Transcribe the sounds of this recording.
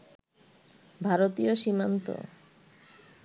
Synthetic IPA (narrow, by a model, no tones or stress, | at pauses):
bʱaɾot̪ioʃimant̪o̰